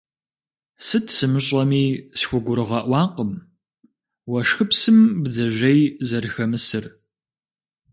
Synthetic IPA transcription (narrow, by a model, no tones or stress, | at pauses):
sɨtʰsɨmɨɕʼɐmiːsxʷʊɡʷʊɾɨʁɐʔʷɑːqəm | wɐʂxɨpsɨmbd͡zɐʒɐjzɐrxɐmɨsɨr